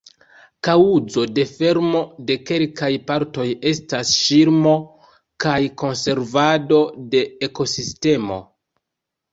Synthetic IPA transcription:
kauzo̞de̞fe̞ɾmo̞de̞ke̞lkajpaɾto̞je̞stasʃiɾmo̞ | kajko̞nse̞ɾvado̞de̞ːko̞siste̞mo̞̰

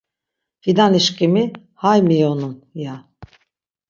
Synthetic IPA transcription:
fid̪aniʃcimi | hajmijonunja

